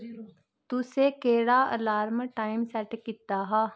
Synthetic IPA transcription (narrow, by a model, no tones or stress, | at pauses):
t̪usekeːɽaːə̰laːɾməʈaːɪmsɛʈkɪt̪ːaɦa